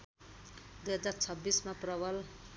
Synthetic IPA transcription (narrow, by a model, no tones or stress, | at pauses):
d̪ujɦʌd͡zart͡sʰʌbːismaprʌbʌl